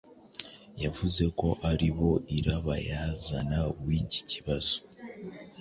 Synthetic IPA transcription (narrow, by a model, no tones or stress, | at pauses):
javuze̞ko̞ʔaɾiβo̞iɾaβajazanawici̥ciβazo̥